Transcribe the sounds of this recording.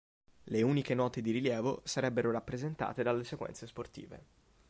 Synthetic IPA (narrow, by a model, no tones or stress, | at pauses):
leuːnikenɔːt̪ed̪iɾiljɛːvo̰saɾɛbːeɾoɾapːɾezent̪a̰ːt̪ed̪alːesekwɛ̰nsesport̪ḭːvḛ